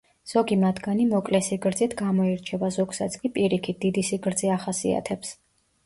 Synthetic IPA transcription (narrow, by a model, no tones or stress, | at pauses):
z̥ɔɡimat̪ʰɡanimɔkʼlɛsiɡɾd̪zit̪ʰɡamɔiɾt͡ʃʰɛvazɔɡsat̪sʰkʼipʼiɾikʰit̪̚d̪id̪isiɡɾd̪ziaχasia̰t̪ʰɛps